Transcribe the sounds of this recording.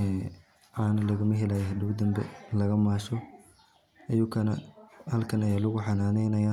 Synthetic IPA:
ɛː | ʔaːnɐlɐɣɐmɐɦɛlaːjɦɐd̪ɪɣʊd̪ɐmbɛlɐɣɐmaːʃɔ | ʔɐjʊkʰɐnɐhɐlkʰɐnɐjaːlʊɣʊħɑnaːnɛjnɐjaː

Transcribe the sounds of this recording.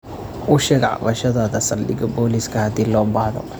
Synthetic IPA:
ʔʊʃɛɡʕɑ̰βɐʃɐðaːðɐsɐldɪɡɔbɔːliːskʰɐhɐd̪iːlɔːbaʕðɔ̰

